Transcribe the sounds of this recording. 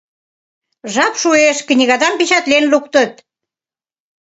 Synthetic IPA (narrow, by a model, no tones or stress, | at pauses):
ʒɑpʃueʃknʲiɣɑd̪ɑmpit͡ɕɑt̪lenlukt̪ə̆t̪